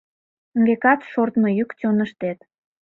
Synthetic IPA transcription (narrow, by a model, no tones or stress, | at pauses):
əŋɡekɑt̪ʃort̪məjykt͡sonəʃt̪et̪